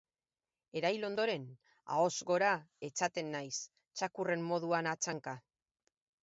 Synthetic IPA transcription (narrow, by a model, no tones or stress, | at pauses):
e̞ɾajlo̞nd̪o̞ɾe̞n | a̰o̞zɣo̞ɾae̞t͡sat̪e̞nːajs | t͡ʃakure̞mːo̞ð̞uanat͡ʃaŋka